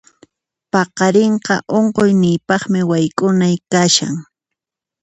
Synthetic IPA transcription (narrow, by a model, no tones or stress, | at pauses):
pɑqɑɾeɴqɑ̰ʔoɴqojnɪjpɑχmɪwajkʼʊnajkaʃa̰ŋ